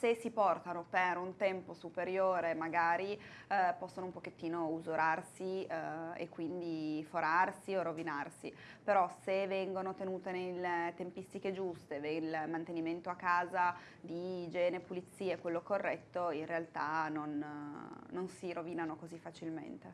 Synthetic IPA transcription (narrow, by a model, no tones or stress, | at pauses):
sesipɔrt̪anopeɾunt̪ɛmposupeɾjoːɾemaɡaːɾipɔsːonoumpok̟et̪ːiːnouzoɾʔarsiḛkːwind̪ifoɾarsiorovinarsi | peɾɔsevɛŋɡonot̪enuːt̪enelet̪empist̪iked͡ʒust̪edelmant̪eniment̪oakːaːza | d̪id͡ʒɛːnepulit̪sːiːeɛkwelːokorːɛt̪ːoinrealt̪anonː | onsiɾoviːnanokozifːat͡ʃilmḛnt̪e